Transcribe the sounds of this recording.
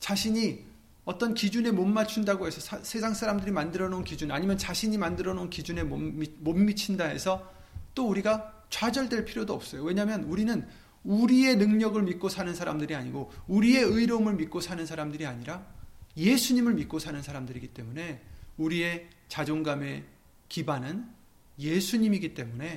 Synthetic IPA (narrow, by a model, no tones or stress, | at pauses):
t͡ɕaɕʰiɲi | ʌt͈ʌnkid͡ʑune̞momːat͡ɕʰundaɡoɦe̞sʰʌsʰsʰe̞s̬ʰaŋs͈aɾamdɯɾimandɯɾʌnonkid͡ʑunaɲimjʌnt͡ɕaɕʰiɲimandɯɾʌnonkid͡ʑune̞momomːit͡ɕʰindaɦe̞̰sʰʌ | t͈ouɾiɡa | t͡ɕwad͡ʑʌɭdwe̞ɭpʰiɾjodoʌp̚s͈ʌjowe̞ɲamjʌnuɾinɯn | uɾie̞nɯŋɲʌɡɯɭmit̚k͈osʰanɯnsʰaɾamdɯɾiaɲiɡouɾie̞ɯiɾomɯɭmik͈osʰanɯnsʰaɾamdɯɾiaɲiɾaje̞sʰuɲimɯɭmit̚k͈osʰanɯnsʰaɾamdɯɾiɡit͈e̞mune̞uɾie̞ | t͡ɕad͡ʑoŋɡame̞ | kibanɯn | je̞sʰuɲimiɡit͈e̞mune̞